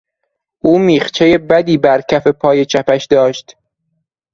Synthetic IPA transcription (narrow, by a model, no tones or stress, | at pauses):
ʔuːmiːχt͡ʃʰe̞je̞bæd̪iːbæɾcʰæfe̞pʰɒːje̞t͡ʃʰæpæʃd̪ɒːʃt̪